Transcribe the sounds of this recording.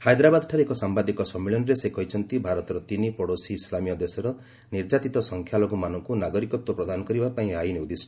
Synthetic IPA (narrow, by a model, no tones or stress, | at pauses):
hajd̪ɾabad̪ɔʈʰaɾeekɔsambad̪ikɔsɔmːeɭɔnɔɾesekʰɔɦit͡ʃʰɔnt̪ibʱaɾɔt̪ɔɾɔt̪inipɔɽosiːslamijɔd̪esɔɾɔ | niɾd͡ʒat̪it̪ɔsɔŋkʰjalɔɡɔmanɔŋkunaɡɔɾikɔt̪wɔpɾɔd̪ʱanɔkɔɾibapaĩajnewd̪isʈʰɔ